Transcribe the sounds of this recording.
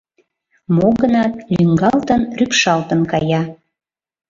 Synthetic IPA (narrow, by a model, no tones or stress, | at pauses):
moɣənɑt̪̚lyŋɡɑlt̪ənrypʃɑlt̪ənkɑjɑ